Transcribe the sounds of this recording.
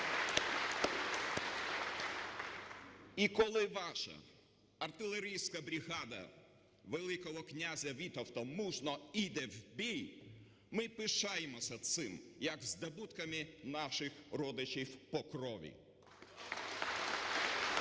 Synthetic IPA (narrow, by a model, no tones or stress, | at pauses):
ikɔlˠɪʋɑʃɐ̰ | ɐrt̪ɪlˠeɾʲijsʲkɐbɾʲiɣɑd̪ɐ̰ | ʋelˠɪkɔɦɔknʲazʲɐʋʲit̪ɐwt̪ɔmuʒnɔid̪ɛwbʲij | mɪpɪʃɑjemɔsʲɐt̪sɪmjɐɡzd̪ɐbut̪kɐmɪnɑʃɪxrɔd̪ɪt͡ʃʲiwpɔkɾɔʋʲḭ